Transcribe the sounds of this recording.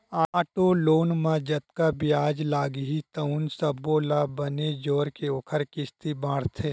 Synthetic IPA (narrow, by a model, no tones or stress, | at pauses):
aːʈoloːnmãd͡ʒɐt̪kabijaːd͡ʒlaːɡɦit̪ɐʊnsɐboːlabəned͡ʒoːɾkeoːkʰəɾkɪst̪ibãːɽt̪ʰeː